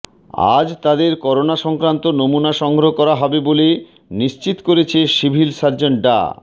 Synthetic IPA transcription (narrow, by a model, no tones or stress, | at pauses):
a̰d͡ʑt̪ad̪eɾkɔɾonaʃɔŋkɾant̪onomunaʃɔŋɡɾoɦokɔɾaɦɔbebole | niʃt͡ɕit̪koɾet͡ɕʰeʃibʱilsaɾd͡ʑoɳʈ̚ɖa̰